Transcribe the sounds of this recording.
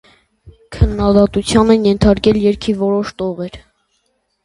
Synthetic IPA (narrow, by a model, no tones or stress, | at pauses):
kʰənːɑd̪ɑt̪ut͡sʰjɑnɛnjɛnt̪ʰɑɾkɛljɛɾkʰivɔɾɔʃt̪ɔʁɛɾ